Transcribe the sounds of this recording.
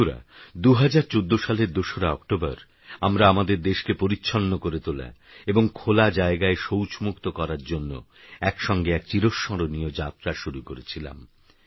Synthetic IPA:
ɾa̰d̪uɦad͡ʑaɾt͡ɕod̪ːoʃaleɾd̪oʃoɾaɔkʈobaɾ | amɾaamad̪eɾd̪eʃkepoɾitːɕʰonːokoɾet̪ola̰eboŋkʰolad͡ʑaeɡaeʃowt͡ɕmukt̪okɔɾaɾd͡ʑonːo̰ɛkʃɔŋɡeɛkt͡ɕiɾoʃːɔɾonijod͡ʑat̪ːɾaʃuɾukoɾet͡ɕʰila̰m

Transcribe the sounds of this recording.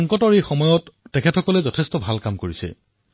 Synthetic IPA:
ŋkɔtɔɹejxɔmɔjɔtːɛkʰɛtʰɔkɔlɛzɔtʰɛstɔbʱalkamkoɹisɛ̰

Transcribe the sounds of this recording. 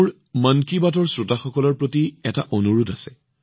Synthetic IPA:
ɹ | mankibatɔɹsɹotaxɔkɔlɔɹpɹotiɛtaʔonuɹudasɛ

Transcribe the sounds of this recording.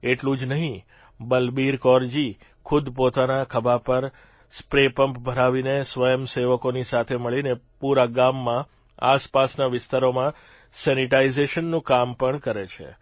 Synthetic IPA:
eʈlũd͡ʒnəɦĩ | bəlbiɾkɔɾd͡ʒi | kʰud̪pot̪anakʰəbapəɾ | spɾepəmpbʱəɾaʋinesʋəjəmseʋəkonisat̪ʰeməɭinepuɾaɡamːã | aspasnaʋɪst̪aɾomã | sɛniʈaizeʃənːũkampəɳkəɾet͡ʃʰḛ

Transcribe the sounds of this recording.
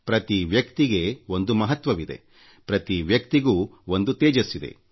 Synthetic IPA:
pɾɐt̪iʋjɐkt̪iɡe̞ond̪umɐɦɐt̪ʋɐʋid̪e̞̰ | pɾɐt̪iʋjɐkt̪iɡuːond̪ut̪eːd͡ʒɐsːid̪ḛ

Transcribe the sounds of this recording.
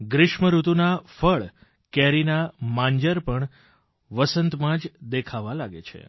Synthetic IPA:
ɡɾɪʃməɾut̪unafəɭ | kɛɾinamãɲd͡ʒəɾpəɳ | ʋəsənt̪mãd͡ʒd̪ekʰaʋalaɡet͡ʃʰḛ

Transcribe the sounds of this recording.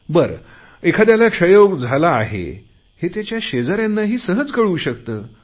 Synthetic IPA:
bəɾ | ekʰad̪jaljakʂəjod͡zʱalaːɦḛ | het̪jat͡ɕjaɕed͡zaɾjanːaɦiːsəɦət͡skəɽuːɕəkt̪əː

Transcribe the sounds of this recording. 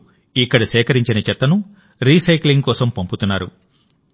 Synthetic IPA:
ikːɐɽɐsɛːkɐɾiɲt͡ʃinɐt͡ʃɛt̪ːɐnu | ɾiːsɐjkliŋɡkɔːsɐmpomput̪unːaːɾṵ

